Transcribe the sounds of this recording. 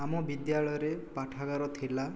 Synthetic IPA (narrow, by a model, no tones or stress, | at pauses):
amɔbid̪jaɭɔjɔɾepaʈʰaɡaɾɔt̪ʰila